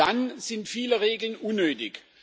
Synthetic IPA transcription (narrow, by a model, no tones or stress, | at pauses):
anz̥ɪntfiːləʁeːɡl̩nʔunːøːtɪç